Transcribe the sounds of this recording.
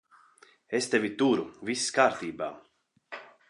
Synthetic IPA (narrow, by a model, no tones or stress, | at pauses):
est̪ɛvʲit̪uɾuvisːkaːɾt̪iːba̰ː